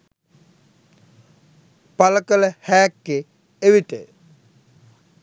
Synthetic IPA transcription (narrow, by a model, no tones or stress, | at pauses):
paləkələhæːkːe | eʋiʈə